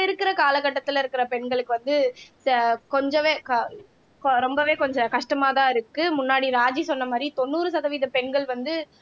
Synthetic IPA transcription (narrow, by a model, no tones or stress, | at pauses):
ɪɾɯkːɪɾɐkaːlɐɣɐʈːɐt̪ːɯlɪɾɯkːɪɾɐpɛɳɡɐɭɯkːɯʋɐnd̪ɯ | kɔɲd͡ʒɔʋeːkɐ | kɾɔmbɐʋeːkɔɲd͡ʒɐ̃kɐʂʈɐmaːðãːɪɾɯkːɯmʊnːaːɽiɾaːd͡ʒisɔnːɐmaːd̪ɾit̪ɔnːuːɾɯsɐðɐʋiːðɐpɛɳɡɐɭʋɐnd̪ɯ